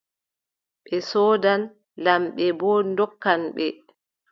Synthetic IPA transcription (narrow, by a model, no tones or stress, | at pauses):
ɓɛsɔːdan | lamɓɛbɔndɔkːanɓɛ